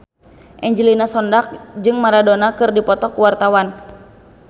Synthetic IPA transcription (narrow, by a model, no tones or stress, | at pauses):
ʔɛɲd͡ʒilinasɔndak̚d͡ʒɨŋmaɾadonakɨrdipɔt̪ɔkuwart̪awan